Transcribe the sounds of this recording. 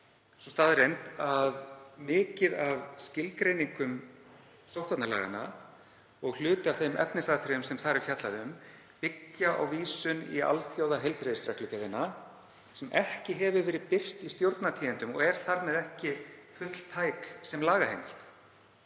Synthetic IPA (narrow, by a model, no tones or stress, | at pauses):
sɔst̪aːðrejnt̪aðmɪːcɪðavscɪlkɾejniŋkʏm | sowt̪at̪nala̰ːɣa̰nːa̰ | ɔɣl̥ʏːt̪ɪavθejmɛ̰pnɪsaːðt̪ʰɾɛjʏmsɛmθaɾɛɾ̥fjat̪laðɪʏm | pɪcːaʔa̰wviːsʏnḭa̰lθjowðaɦejlpɾeðsɾɛklʏcaðɪnːa | sɛmʔɛhcɪɦɛvʏvɛːɾɪðpɪr̥t̪ist̪jowɾt̪nat̪ʰiːðɪnt̪ʏmɔ̰ɣɛɾ̥θaɾmɛðɛhcɪfʏt̪l̥t̪ʰaːjksɛmlaːɣahejmɪl̥t̪